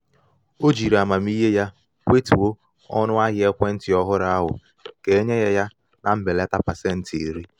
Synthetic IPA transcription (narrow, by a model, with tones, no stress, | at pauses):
o˦d͡ʒi˨ɾa˨ma˨m̩˦i˦ɦe˦ja˦ | kʷe˦tu˨wo˦ | ɔ̰˦nʊ˦a˦ɦɪ˨˦e˦kʷe˦n̩˦tɪ˨ɔ˦ɦʊ˦ɾa˦a˦ɦʊ̰˨ | ke˨e˦ɲe˦ɣe˦ja˦ | nʔa˨m̩˦be˨le˦ta˦pa˨se˦n̩˦ti˨e˨ɾi˦